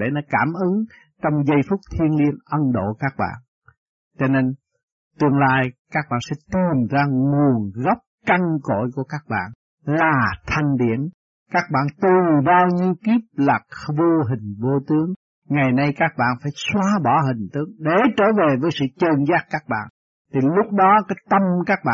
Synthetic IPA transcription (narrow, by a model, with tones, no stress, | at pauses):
ɗḛ˧˩nɔ˨˦kaː˧˩mʔɨ˨˦ŋ | t͡ɕɔ˧wŋ͡mzə˧jfʊ˦˥k͡p̚t̪ʰi˧ənli˧ənʔə˧nɗo̰˧˨kaː˦˥k̚ɓa̰ː˧˨n | t͡ɕɔ˧ne˧n | t̪ɨ˧əŋlaː˧jkaː˦˥k̚ɓa̰ː˧˨nsɛ̰˧˥t̪i˨˩mzaː˧ŋu˨˩ənɣɔ˦˥wp̚ka˧ŋko̰˧˨jku˧˩əkaː˦˥k̚ɓa̰ː˧˨n | laː˨˩t̪ʰa˨˩jŋ̟ɗḭ˧˩˨əm | kaː˦˥k̚ɓa̰ː˧˨nt̪u˨˩nɓaː˧wɲi˧əwki˦˥p̚laː˨˩k̚vo˧ɦï˨˩ŋ̟vo˧t̪ɨ˨˦əŋ | ŋa˨˩jna˧jkaː˦˥k̚ɓa̰ː˧˨nfaː˧˩jswaː˧ɓɔ˧˩ɦï˨˩ŋ̟t̪ɨ˦˥k̚ɗe˧˩t͡ɕəː˧˩ve˨˩vəː˨˦jsɨ̰˧˨t͡ɕəː˨˩nzaː˦˥kkːaː˦˥k̚ɓa̰ː˧˨n | t̪ʰi˨˩lʊ˦˥k͡p̚ɗɔ˨˦kaː˨˦jt̪ə˧mkaː˦˥k̚ɓa̰ː˧˨